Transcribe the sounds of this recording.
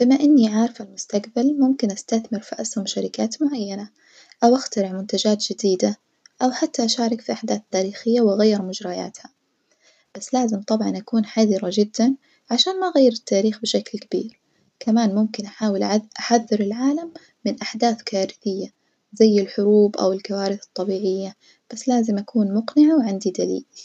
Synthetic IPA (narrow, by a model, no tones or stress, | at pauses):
b̥ɪmaʔɪnːiʕaʕɾˤɪfalmʊst̪aqbalmʊmkɪnʔast̪aθmɪɾfa̰ʔshʊmʃaɾɪkaːt̪mʊʕajːana | ʔawʔaxt̪aɾɪʕmʊnt̪ad͡ʒaːt̪d͡ʒɪd̪iːd̪a | ʔawħat̪ːaʔaʃaːɾˤɪkfiʔaħd̪aːθt̪ːaːɾiːxɪjːawʔaɣajːɪɾmʊd͡ʒɾˤɑja̰ːt̪ha | b̥asːlaːzɪmt̪ˤɑbʕɑnʔakuːnħaðɪɾad͡ʒɪd̪ːan | ʕaʃaːnmaʔɣajːɪɾɪt̪ːaːɾiːxbɪʃaklkabḭːɾ | kamaːnmʊmkɪnʔaħaːwɪlʔaħaðːɪɾɪlʕaːlamː | ɪnʔaħd̪aːθkaːɾɪθɪjːa | zajːɪlħʊɾuːbʔa̰wɪlkawaːɾɪθɨ̥t̪ˤːɑbiːʕɪjːa | b̥asːlaːzɪmʔakʰuːnmʊqnɪʕawʕɪnd̪id̪alḭːl